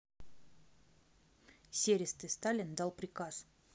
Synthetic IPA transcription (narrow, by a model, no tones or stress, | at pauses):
sʲeɾʲɪst̪ɨst̪alʲɪnd̪alˠpɾʲɪkas